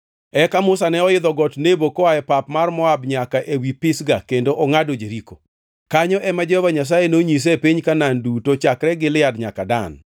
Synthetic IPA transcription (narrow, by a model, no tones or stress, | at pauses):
ɛkamʊsanɛɔɪd̪ɔɡɔtnebokɔaɛpapmarmɔabɲakaʔewipɪsɡakendoʔɔŋadod͡ʒeɾiko̰ | kaɲɔʔɛmad͡ʒɔvaɲas̬ajenoɲis̬ɛpiɲkanandutot͡ʃakɾɛɡɪlɪadɲakada̰n